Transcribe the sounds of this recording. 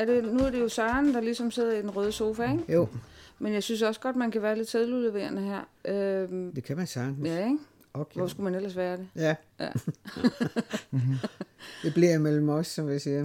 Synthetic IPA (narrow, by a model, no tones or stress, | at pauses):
æɐɾ̥e̝nuæɐɾ̥e̝jo̝sɑ̈ːnd̥ɑ̈lisɒ̽mse̝ð̞̰ˠɐid̥enʁœːð̞ˠəso̝ːfæeŋjo̰ | menjɑ̈ɪsynsɒ̽sə̥ɡ̥ɒ̽d̥mænkʰæʋæːɐle̝d̥sʰeð̞ˠlule̝ʋe̝̰ːɐnəhæɐ̰ʔømd̥e̝kʰæmænsɑnjæŋ | okʋɒ̰sɡ̥umænel̰ɐsʋæːɐɾ̥e̝jæjæ | d̥e̝b̥liɐ̰mel̰m̩ɒsːɒmlisiː